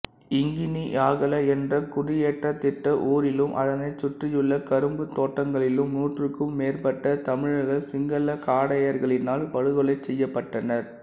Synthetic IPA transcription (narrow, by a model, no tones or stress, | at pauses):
ɪŋɡɪniʔaːɣɐlɐɛndrɐkʊɽɪjeːʈːɐt̪ːɪʈːɐʔuːɾɪlɯmʔɐ̰ðɐnɐɪt͡ʃːʊʈrɪjɯɭːɐkɐɾɯmbɯt̪ːoːʈːɐŋɡɐɭɪlɯmnuːʈrɯkːɯmːeːrpɐʈːɐt̪ɐmɪɻɣɐsɪŋɡɐlɐkaːɽɐjɐɾɣɐɭɪnaːlpɐɻɯɣɐɭɐɪt͡ʃːɛjːɐpːɐʈːɐnɐɾ